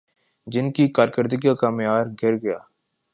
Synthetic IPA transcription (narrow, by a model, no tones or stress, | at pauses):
d͡ʒɪnkikaːɾkəɾd̪ɪɡakaːmjaːɾɡʱɪɾɡɐja̰ː